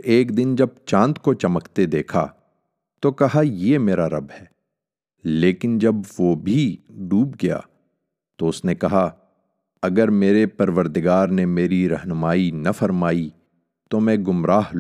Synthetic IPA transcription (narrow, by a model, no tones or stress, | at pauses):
eːkd̪ɪnd͡ʒɐb̚t͡ʃãːnt̪kot͡ʃɐməkt̪ed̪eːkʰa̰ | t̪okɐɦajeːmeːɾaɾɐbhɛː | leːkɪnd͡ʒɐbʋobʱiɖuːbɡɐja̰ː | t̪oʊsnekɐɦa | ɐɡəɾmeːɾepɐɾʋəɾd̪ɪɡaːɾnemeːɾiɾɐɦnʊmaːinɐfɐɾmaːi | t̪omɛ̃ɡʊmɾaːɦl